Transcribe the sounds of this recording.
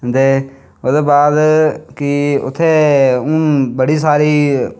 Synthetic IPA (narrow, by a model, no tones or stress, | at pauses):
əd̪eː | ʊd̪eːbaːd̪kɪʊ̰t̪ʰːeːũːbəɽiːsaːɾiː